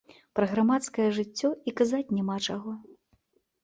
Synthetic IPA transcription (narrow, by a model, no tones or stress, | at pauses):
pɾɐɣɾamat̪skɐjɐʐɨt͡sʲːɔikazat͡sʲnʲɛmat͡ʂaɣɔ